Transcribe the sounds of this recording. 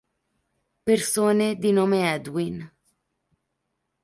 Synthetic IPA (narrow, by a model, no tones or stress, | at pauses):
persoːned̪inoːmeɛd̪win